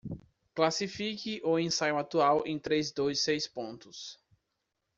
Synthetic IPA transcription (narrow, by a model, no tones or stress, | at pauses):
klasifikɪʔʊẽsajũat̪uawʔẽj̃t̪ɾezd̪ojsejspõnt̪ʊs